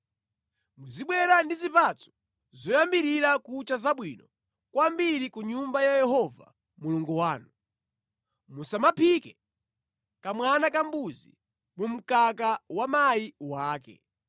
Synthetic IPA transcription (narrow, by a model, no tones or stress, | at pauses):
muziɓwɛɾandizipat͡sɔ̥ | zɔjambiɾiɾakut͡ʃazaɓwiːnɔ | kwambiɾikuɲumbajajɛɦɔva̰ | muluŋɡuwaːnu | musamapʰikɛ | kamwanakambuzi | mum̩kakawamajiwaːkɛ̰